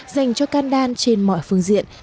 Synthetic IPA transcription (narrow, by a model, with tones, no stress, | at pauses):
za˨˩jŋ̟t͡ɕɔ˧kaː˧nɗaː˧nt͡ɕe˧nmɔ̰˧˨jfɨ˧əŋzḭ˧˨ən